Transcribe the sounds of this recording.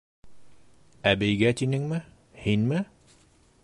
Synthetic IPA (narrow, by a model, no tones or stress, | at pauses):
æbejɡæt̪inɘ̆ŋmɘ | hinmɘ